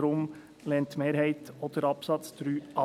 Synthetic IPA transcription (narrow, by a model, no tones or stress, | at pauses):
ɾʊm | lɛntmeːɾhɛɪtod̪̥əɾɑpsɑt͡stɾyːʔɑ